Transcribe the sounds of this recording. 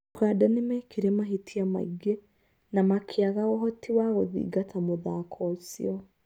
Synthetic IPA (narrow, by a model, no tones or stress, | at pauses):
kadanemɛkʰiɾemaɦitʰiama̰iɡe | namakʰeaɣaɣɔɦɔtiwaɣoðḭːɡatʰamoðakʰɔsḭɔ